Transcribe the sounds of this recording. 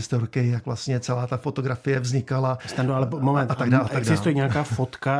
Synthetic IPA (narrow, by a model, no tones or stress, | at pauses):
st̪oɾkɪjakvlast̪ɲɛt͡sɛlaːt̪afo̞t̪o̞ɡɾafɪjɛvzɲɪkalast̪andoalɛmomɛnt̪ːt̪aɡdaːlaaɛɡdaɪst̪ujɛɲɛakaːfot̪ka